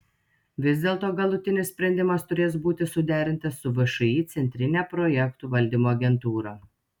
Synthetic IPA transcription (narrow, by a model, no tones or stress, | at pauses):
ʋʲɪzʲd̪ʲeːlˠt̪oːɡɐlˠʊt̪ʲɪnʲɪssʲpʲɾʲɛnʲd̪ʲɪmɐst̪ʊɾʲeːs̬buːt̪ʲɪsʊd̪ʲæːɾʲɪnʲt̪ɐsːʊʋɐʃʊiːt̪sʲɛnʲt̪ʲɾʲɪnʲæːpɾɔjɛkt̪uːʋɐlʲd̪ʲimoːɐɡʲɛnt̪uːɾɐ